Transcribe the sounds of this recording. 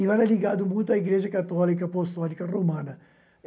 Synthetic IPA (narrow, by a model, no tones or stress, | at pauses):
ivalɐliɣad̪ʊmũjt̪̬aiɣɾeʒɐkat̪ɔlikɐːpost̪ɔlikɐromãnɐ